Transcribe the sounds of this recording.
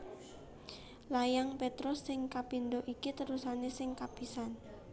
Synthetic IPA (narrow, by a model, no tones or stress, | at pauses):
lajaŋpet̪ɾɔsːɪŋkapind̪oʔikit̪əɾusanesɪŋkapisan